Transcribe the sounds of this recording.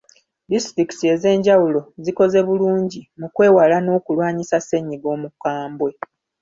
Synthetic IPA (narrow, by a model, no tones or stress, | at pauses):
distɾikitie̞ze̞ːɲɟawulo̞ziko̞ze̞βuluːɲɟimukwe̞ːwalano̞ːkulwaːɲisase̞ɲiɡo̞ːmukaːmbwe̞